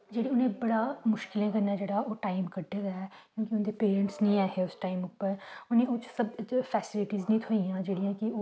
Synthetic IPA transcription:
d͡ʒeːɽiːʊnẽːbəɽaːmʊʃkɪlẽːkəɾnaːd͡ʒeːɽaːʔoːʈaːimkəɖed̪aɛːkjõːkɪʊnd̪eːpeːɾə̃ɳʈsnĩːaːɦeːʊsʈaːimʊpːəɾʊnẽːoːt͡ʃsəbpʰɛːsɪlɪʈiːznĩːt̪ʰoijãːd͡ʒeːɽijãːkɪoː

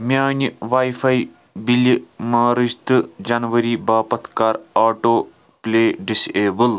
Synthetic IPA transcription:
mjaːnʲiʋaːjfʰaj | bilimaːɾɨʃt̪ɨd͡ʒɐnʋɐɾiːbaːpɐt̪ʰkaːɾaːʈoː | plʲeːɖiseːbəl

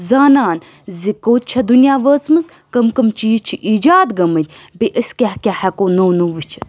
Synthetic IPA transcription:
zaːnaːn | zikoːt̪̚t͡ʃʰɐd̪unjaːʋɐːzmɨz | kɐmkɐmt͡ʃiːt͡ʃʰiʔiːd͡ʒaːd̪ɡɐmɐt̪ʲ | biʔəsʲkʲaɦkʲahɐkoːnoːnuʋit͡ʃʰi̥

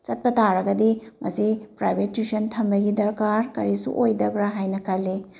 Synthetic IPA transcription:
t͡ʃɐt̚pɐtaɾɐɡɐdimɐ̰sipɾajbʱetːisɐntʰɐmbɐɡidɐɾkaɾkɐɾisṵʔojdɐbɾaɦajnɐkʰɐlːe

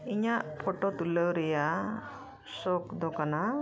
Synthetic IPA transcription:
iɲaʔpʰɔʈɔt̪uləwɾɛja | sɔkd̪ɔkana

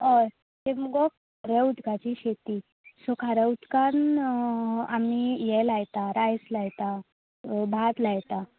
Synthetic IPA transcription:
ɦɔj | t̪emuɡɔ | ɾeut̪kat͡ɕiɕet̪i | sɔkʰaɾəut̪kan | amijɛlajt̪aɾajslajt̪a | bʱat̪lajt̪a

